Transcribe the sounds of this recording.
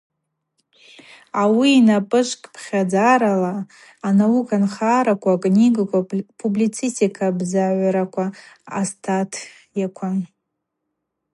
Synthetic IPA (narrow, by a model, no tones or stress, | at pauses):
awiːnapʼɨʃkʼpʰχʲad͡zaɾalaː | nawukʰanχaɾakʷʰakʼniɡapʰublit͡sʰistʼikʰabzaʕʷaɾakʷʰaastʰatʰ | jakʷʰan